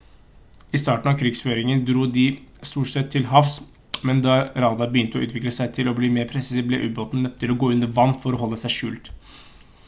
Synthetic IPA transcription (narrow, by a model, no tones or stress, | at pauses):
ɪst̪ɑːʈɳ̩ɑʋkʰɾɪːɡsføːɾɪŋənd̪ɾuːd̪ɪst̪uːʈsɛt̪ʰːɪlɦɑfs | mɛnd̪ɑɾɑːd̪ɑɾbəjʏnt̪əɔ̰ʉ̰ːt̪ʋɪkləsæɪt̪ʰɪlɔbliːmeːɾpʰɾɛssiblə̰ʔʉːboːt̪n̩nœt̪ːt̪ʰːɪlɔɡoːʉnd̪əɾʋɑnːfɔɾɔhɔlːəsæɪʂʉ̰ːlt̪